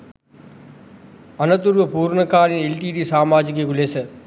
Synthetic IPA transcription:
ɐnɐt̪uɾʋəpuːɾɳəkaːɾinelʈiːɖiːsaːmaːd͡ʒɪk̬ikʊleːsə

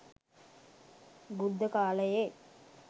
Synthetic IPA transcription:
bud̪ːəkaːləje

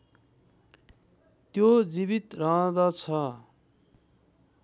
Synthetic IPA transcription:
t̪jod͡zibit̪rʌɦʌ̃d̪ʌt͡sʰʌ

